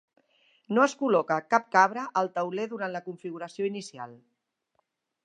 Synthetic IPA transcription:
noəskulɔkəkap̚kaβ̞ɾəʔːlˠt̪əwleðuɾant̪ləkuɱfiɣuɾəsioinisia̰lˠ

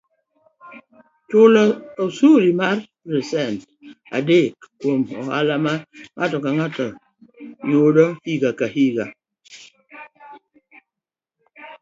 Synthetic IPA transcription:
tolɔɔsulimaɾ | ɾesɛnt | a̰dekkomɔ̰ha̰lamaŋʔatɔkaŋatɔ | jodɔhiɡakahiɡa

